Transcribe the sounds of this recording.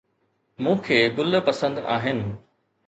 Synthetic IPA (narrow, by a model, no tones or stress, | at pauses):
mũːkʰeːɡʊl̆pɐsə̃nd̪aːɦɪnɪ̆